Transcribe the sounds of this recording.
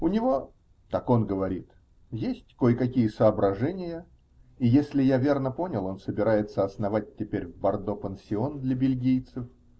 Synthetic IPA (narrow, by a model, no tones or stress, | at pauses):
ʊnʲɪvo̞ | t̪ako̞nɡəvɐɾʲit̪ | jesʲtʲko̞jkɐkʲijəsəːbɾɐʐɛnʲɪjə | ijesʲlʲɪjavʲe̞rnəpo̞nʲɪlˠo̞nsəbʲɪɾajɪt̪səɐsnɐvat̚ʲtʲːɪpʲeɾʲvbɐrd̪opənsʲɪo̞nd̪lʲəbʲɪlʲɡʲijt̪sɨf